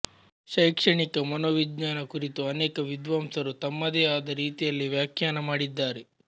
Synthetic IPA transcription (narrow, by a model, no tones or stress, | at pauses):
ʃɐjkʂɐɳikɐmɐnoːʋid͡ʒɲaːnɐkuɾit̪uɐnɛːkɐʋid̪ʋaːmsɐɾut̪ɐmːɐd̪eːaːd̪ɐɾiːt̪ijɐlːiʋjaːkjaːnɐmaːɽid̪ːaːɾe